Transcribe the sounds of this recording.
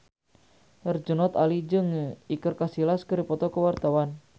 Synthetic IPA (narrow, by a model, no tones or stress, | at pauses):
ərd͡ʒənɔt̪alid͡ʒəŋikərkasilaskəɾipɔt̪ɔkəwart̪awan